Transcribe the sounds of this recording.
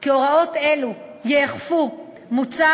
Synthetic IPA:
keoʁaot̪elujeːχfu | mut͡sa

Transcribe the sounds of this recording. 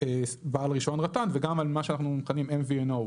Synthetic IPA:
ebaːlʁiʃonʁatanveɡamalmaʃeanaχnumχanimemvienow

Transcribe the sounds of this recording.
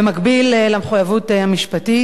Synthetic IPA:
emakbillameχujavut̪ehamiʃpati

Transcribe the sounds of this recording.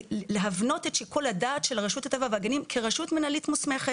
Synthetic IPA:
leɦavno̞te̞tʃikuladaːt̪ʃelʁaʃutat̪avavaɡanimkʰeʁaʃutmenalitmusmeχet

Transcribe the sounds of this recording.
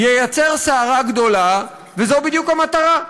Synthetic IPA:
jejat͡se̞ʁseaʁaɡd̪o̞la | vezo̞bid̪jukamat̪aʁa

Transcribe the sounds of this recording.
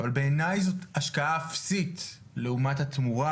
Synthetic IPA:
valbe̞ːnajzo̞taʃkaafsit | leumathat̪muʁa

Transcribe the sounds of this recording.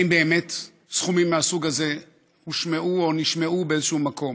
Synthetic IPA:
imbe̞ːmet | sχumimːeasuɡaze̞ | huʃmeʔuoniʃmeʔubeezeʃumakʰo̞m

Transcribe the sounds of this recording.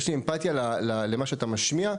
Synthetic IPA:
ʃliempat̪jalalale̞maʃeat̪amaʃmia

